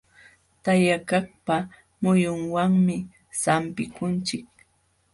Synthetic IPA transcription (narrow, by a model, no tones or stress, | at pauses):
t̪ajakakpa | mʊjʊŋwaŋmɪ | sampɪkʊnt͡ʃɪk̚